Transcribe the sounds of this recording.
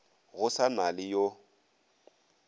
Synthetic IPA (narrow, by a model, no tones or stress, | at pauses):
ɣʊsamalɪjo